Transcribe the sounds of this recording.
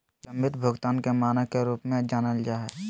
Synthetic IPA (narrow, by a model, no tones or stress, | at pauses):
sɐmɪt̪bʱəɡt̪aːnkemaːnakeɾuːpmẽd͡ʒaːnəld͡ʒaːɦɛ